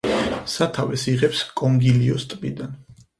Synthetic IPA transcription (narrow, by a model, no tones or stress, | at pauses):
sat̪ʰavɛsiʁɛpskʼɔŋɡiliɔst̪ʼbʼid̪an